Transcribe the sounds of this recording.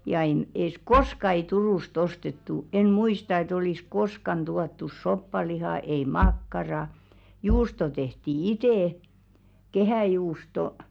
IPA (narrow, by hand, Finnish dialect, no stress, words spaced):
jɑ en es koskɑ ei turuˑst ostetːu en muistɑ et oliˑs koskɑn tuɑtːus sopːɑlihɑˑ ei mɑkːɑrɑ juːsto tehti iteˑ kehæˑjuːsto